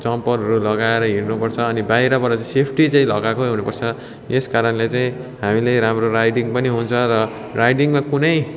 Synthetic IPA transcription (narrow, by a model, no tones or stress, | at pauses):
t͡sʌmpʌɾɦʌɾulʌɡaeɾʌɦirnupʌrt͡sʰʌːnibajɾʌbʌɾat͡saĩsepʰʈit͡saĩlʌɡakoɦunupʌrt͡sʰʌ | eskaɾʌnlet͡saĩ | ɦamilajɾamroɾajɖiŋpʌniɦunt͡sʰʌɾʌ | rajɖiŋmakunʌj